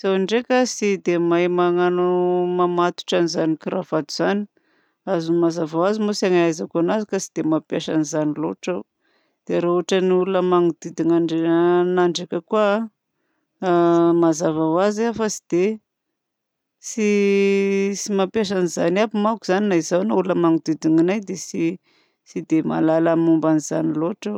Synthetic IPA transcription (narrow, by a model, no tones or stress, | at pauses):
z̥awaɳɖ͡ʐekasid̪emajmaŋanumamat̪u̥ʈ͡ʂanizanikiɾavad̪uz̥ani̥ | azumazavawazimosaŋajzakuanazikasid̪̥emapjaʃanizaniloʈ͡ʂaw | d̪̥eɾauʈ͡ʂaniulunəmaŋud̪id̪inaɳɖ͡ʐnaɳɖ͡ʐakʲəkuə | mazavawaziafasi̥d̪̥e | si | simapjaʃ̬anizanabumakuz̥aninaizawnaululnəmaŋud̪id̪iŋanajd̪esi | sid̪ema̰lalamumbaniz̥a̰niloʈ͡ʂaw